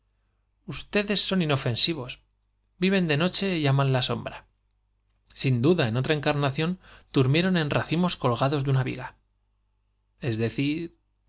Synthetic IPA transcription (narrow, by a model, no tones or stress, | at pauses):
ust̪e̞ðe̞sːo̞nino̞fe̞nsiβo̞s | biβ̞e̞nd̪e̞no̞t͡ʃe̞jamãnlaso̞mbɾa | sind̪uðae̞no̞t̪ɾae̞ŋkaɾnaθjo̞nd̪̥uɾmje̞ɾo̞nẽ̞nraθimo̞sko̞lɣ̞aðo̞zðunaβḭɣa | e̞zðe̞θiɾ